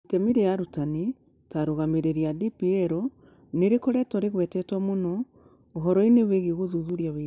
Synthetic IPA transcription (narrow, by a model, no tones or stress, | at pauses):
tɛmiɾejaɾutani | taɾoɣameɾeɾiadipiɛɾɔ | neɾekɔɾɛtɔɾeɣwɛtɛtwamonɔ | oɦɔɾɔineweɣeɣoðuðuɾjawe